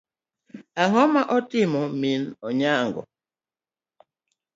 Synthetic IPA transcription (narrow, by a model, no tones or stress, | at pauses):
aɦɔmaʔɔtimɔminɔɲaŋɡɔ̰